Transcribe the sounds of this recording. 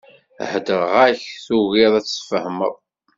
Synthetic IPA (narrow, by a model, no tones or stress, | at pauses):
hd̪əʁʁæçθuɣɪðˤæt͡sːfəhmə̰ðˤ